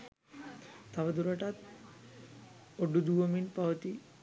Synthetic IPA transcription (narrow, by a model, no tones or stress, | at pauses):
t̪aʋəd̪uɾaʈat̪̚ | oɖud̪uʋəminpaʋət̪i